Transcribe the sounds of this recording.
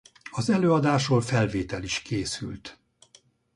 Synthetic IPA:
ɒzɛløːɒd̪aːʃoːlfɛlveːt̪ɛliʃkeːsy̰lt̪

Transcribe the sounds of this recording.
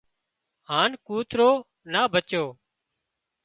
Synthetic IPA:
ɦaːnkuːt̪ɾoː | naːbʱət͡ʃoː

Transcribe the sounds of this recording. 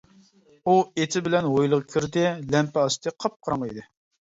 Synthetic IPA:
uet̪ʰɪbɪlɛnwojlˠəʁɑkʲʰyɾd̪ɪlɛmpɛɑst̪ʰɨqʰɑp̚qʰɑɾɑŋḭd̪ɨ

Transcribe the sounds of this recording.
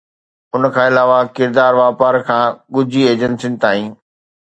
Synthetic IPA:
ʊnkʰãːɪlaːʋakɪɾd̪aːɾʋaːpaːɾkʰãːɠʊd͡ʑʱieːd͡ʑənsɪ̃nɪ̆t̪aːɦĩː

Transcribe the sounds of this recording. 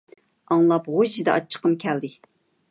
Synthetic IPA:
ɑŋlˠɑpʁod͡ʒid̪ɛɑ̰t͡ʃʰːə̥qʰəmkʲʰɛld̪ɪ

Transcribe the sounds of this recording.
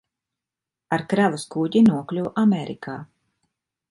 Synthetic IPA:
aɾkɾavaskuːɟinuɔklʲuwʔameɾḭkʰaː

